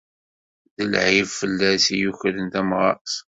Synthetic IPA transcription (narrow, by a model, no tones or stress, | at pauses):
ðəlʕivfəlːæsijuçɾənt̪æmʁɑ̰ʔs